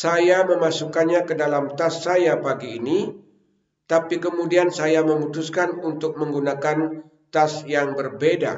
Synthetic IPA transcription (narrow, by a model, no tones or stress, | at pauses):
sajaməmasukanɲakədalamt̪asːajapaɡiːni | t̪apikəmudiansajaməmut̪ʊskanunt̪ʊk̚məŋɡunakan | t̪asjaŋbərbeda̰